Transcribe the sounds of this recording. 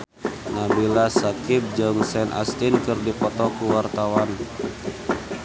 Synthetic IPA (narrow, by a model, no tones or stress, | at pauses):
nabilasakip̚d͡ʒɔŋsɛnʔa̰st̪inkɨrdipɔt̪ɔkuwart̪awan